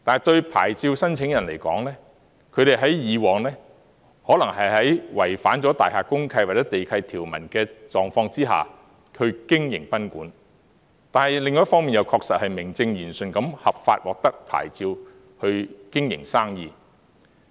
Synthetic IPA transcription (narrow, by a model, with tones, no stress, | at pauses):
t̪aː˨nɐ˨˩jt̪ɵ˧ɥpʰa̰ː˨˩jt͡siː˧wsɐ˥nt͡sʰɪ˨˥ŋjɐ˨˩nle˨˩jkɔː˨˥ŋlɛː˥ | kʰɵ˨˧ɥɾe˨jɦɐ˨˥jjiː˨˧wɔː˨ŋlɛː˥ | hɔː˨˥lɐ˨˩ŋɦɐ˨jhɐ˨˥jwɐ˨˩jfaː˨˥nt͡sɔ˨˥t̪aː˨˩jɦaː˨˧kʊ˥ŋkʰɐ˧jwaː˨˩t͡sɛː˨˥t̪e˨jkʰɐ˧jt̪ʰiː˨˩wmɐ˨˩nkɛː˧t͡sɔː˨ŋfɔː˧ŋt͡siː˥ɦa̰ː˨ | hɵ˧ɥkɪ˥ŋjɪ̰˨˩ŋpɐ˥nkuː˨˥n | t̪aː˨nhɐ˨˩jlɪ˨ŋː˨˦jɐ˥fɔː˥ŋmiː˨njɐ˨˧wkʰɔː˧k̚sɐ˨t̚hɐ˨jmɪ˨˩ŋt͡sɪ˧ŋjyː˨˩nsɵ˨nkɐ˨˥mhɐ˨p̚faː˧t̚wɔː˨k̚t̪ɐ˥k̚pʰa̰ː˨˩jt͡siː˧w | hɵ˧ɥkɪ˥ŋjɪ̰˨˩ŋsaː˥ŋjiː˨˧